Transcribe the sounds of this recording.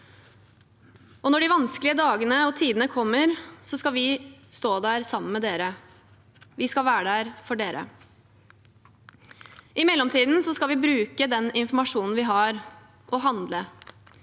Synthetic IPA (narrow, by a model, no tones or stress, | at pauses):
ɔnɔɖɪʋɑnsklɪəd̪ɑːɡənəɔt̪ʰiːd̪n̩əkʰɔmːəɾsɔskɑʋɪst̪oːd̪æːɾsɑmːənmɛd̪eːɾə | ʋɪskɑlʋæːɖæːɾfɔɖeːɾʔə̰ | ɪmɛlːɔmt̪ʰiːd̪n̩sɔskɑlʋɪbɾʉːkəd̪ɛnɪnfmɑʂuːnn̩ʋɪɦɑɾ | ʔɔɦɑnd̪lə